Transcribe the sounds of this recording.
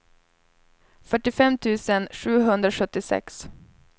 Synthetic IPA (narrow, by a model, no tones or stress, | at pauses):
fœʈːɪfɛmt̪ʰʉ̟ːsənɧʉ̟ːɦɵnd̪ɾaʂɵt̪ːɪsɛ̰ks